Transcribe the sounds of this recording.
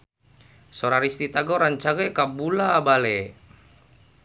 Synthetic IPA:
soɾaɾist̪it̪aɡoɾaɲt͡ʃaɡɛkabulabalɛ

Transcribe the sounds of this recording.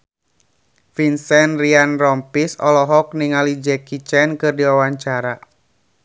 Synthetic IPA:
finsɛnrianrɔmpisɔlɔɦɔk̚niŋalid͡ʒɛkit͡ʃɛnkɨrdiwawaɲt͡ʃaɾa

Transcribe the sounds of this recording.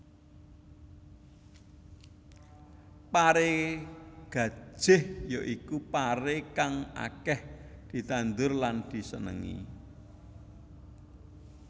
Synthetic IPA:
paɾe | ɡ̥ä̤̥ʒ̥ɪhjoʔikupaɾekaŋa̰kɛhd̪̥i̤t̪and̪ʊrland̪̥i̤sənə̰ŋḭ

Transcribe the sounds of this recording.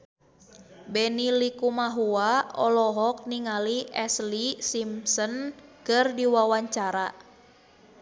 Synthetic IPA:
bɛnilikumaɦuaɔlɔɦɔk̚niŋaliʔɛslisimsənkərdiwawaɲt͡ʃaɾa

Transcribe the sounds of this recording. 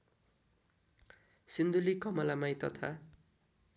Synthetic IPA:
sind̪ulikʌmʌlamajt̪ʌt̪ʰa

